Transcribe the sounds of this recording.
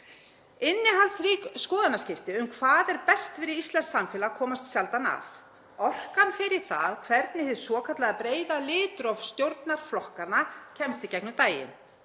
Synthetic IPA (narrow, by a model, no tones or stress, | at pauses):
ɪnːɪɦalt̪sriːkskɔːðanascɪft̪ɪʏmkʰvaːðɛɾpɛst̪fɪɾɪɾist̪ɛnsːamfɛːlakʰɔːmast̪sjalt̪ana̰θ | ɔr̥kanfɪɾɪɾ̥θa̰ðkʰvɛɾt̪̚nɪhɛðsvɔːkʰat̪laɣðapɾeːjðalɪːt̪ɾɔfst̪jowɾt̪naɾ̥flɔhkanacʰɛmst̪icɛknʏt̪aːjɪ̰n